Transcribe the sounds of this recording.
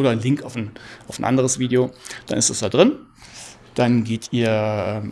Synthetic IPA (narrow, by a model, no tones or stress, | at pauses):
ʔoːɾɐnlɪŋktaʊfn̩ʔaʊfn̩ʔa̰ndəʁ̞əsv̥iːdeod̥a̰nɪstd̥asd̥aːdʁɪn | d̥anɡeːtʰʔiːɐʔɛːm